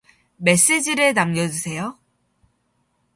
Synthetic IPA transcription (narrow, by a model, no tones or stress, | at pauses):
me̞s͈ed͡ʑiɾɯnamɲjʌd͡ʑusʰe̞jo